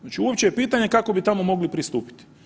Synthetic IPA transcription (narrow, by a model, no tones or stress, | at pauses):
at͡ʃiuopt͡ʃejepiːt̪aɲe̞kako̞bit̪amo̞mo̞ɡlipɾist̪uːpi̥t̪i̥